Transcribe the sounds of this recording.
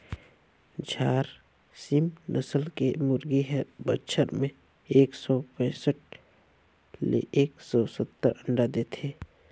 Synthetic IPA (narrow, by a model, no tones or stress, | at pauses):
d͡ʒʱaːɾ | simnʔəsəlkemʊɾɡiɦɛbətːʃʰəɾmẽ | eːksɔpɛ̃ːsəʈ̚ | lḛʔeːksɔsət̪ːəɾə̃ɳɖad̪eːt̪ʰeː